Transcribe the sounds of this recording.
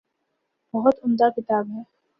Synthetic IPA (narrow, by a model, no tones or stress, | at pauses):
bɐɦʊt̪ʊmd̪akɪt̪aːbɦɛː